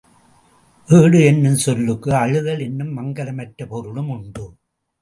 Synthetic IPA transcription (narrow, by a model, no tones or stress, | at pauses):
ʔeːɽɯɛnːɯmsɔlːɯkːɯɐɻɯðɐlɛnːɯmːɐŋɡɐlɐmɐʈɾɐpɔɾɯɭɯmʊɳɖɯ